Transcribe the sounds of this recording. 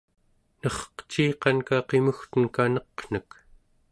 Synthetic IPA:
nʌχqt͡ʃiːqɑnkaqe̞muxt̪ənkanʌqn̥ək

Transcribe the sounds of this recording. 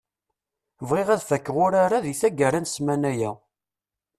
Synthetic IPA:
vʁeʁæðfækːəʁʊɾaɾaðiθæɡəɾænsmænæjæ

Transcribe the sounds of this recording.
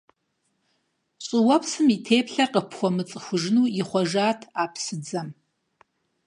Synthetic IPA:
ɕʼɪwɐpsɨmitʰeːpɬɐqəpxʷɔmɨt͡sʼɨxʷʊʒnuːiχʷɔʒaːtʰaːpʰsɨd͡zɐm

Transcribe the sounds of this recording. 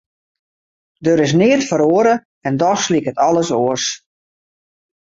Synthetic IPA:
døɾɪs̬nɪːətfəɾoəɾə | ɛndɔxslikətɔləsoərs

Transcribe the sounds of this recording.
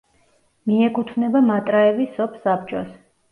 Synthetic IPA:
miɛkʼut̪ʰvnɛbamat̪ʼɾaɛvisɔpʰsapt͡ʃʼɔs

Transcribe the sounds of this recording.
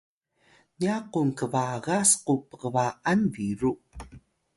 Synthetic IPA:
niaqunkəvaɣasqupəʁəvaʔanviɾu

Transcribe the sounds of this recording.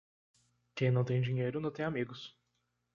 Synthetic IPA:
kʲẽj̃nɐ̃w̃t̪ẽʒĩɲejɾʊnʊt̪ẽj̃ɐmiɡʊs

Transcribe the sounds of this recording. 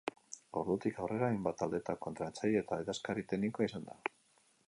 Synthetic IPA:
o̞ɾðut̪ikawre̞ɾaajmbat̪ald̪e̞t̪ako̞nt̪ɾat͡sajet̪ajðaskaɾit̪eɡnikoaisand̪a̰

